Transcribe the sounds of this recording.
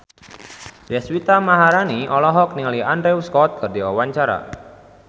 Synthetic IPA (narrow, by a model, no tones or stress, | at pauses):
dɛswit̪amaɦaɾaniʔɔlɔɦɔkniŋaliandɾewskɔt̪̚kɨrdiawaɲt͡ʃaɾa̰